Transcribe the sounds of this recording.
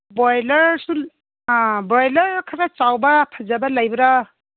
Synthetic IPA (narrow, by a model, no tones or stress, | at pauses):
bɔjlɐɾsu | bɔjlɐɾkʰaɾat͡ʃawbɐpʰɐzabɐlajbɐɾa